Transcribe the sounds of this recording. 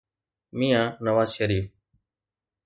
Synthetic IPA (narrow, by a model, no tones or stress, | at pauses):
miːãːnəʋaːzʃəɾiːf